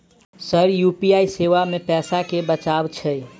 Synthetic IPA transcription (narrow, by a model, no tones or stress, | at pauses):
səɾjupiaiseʋamepɛsakebət͡ʃabt͡ʃʰəj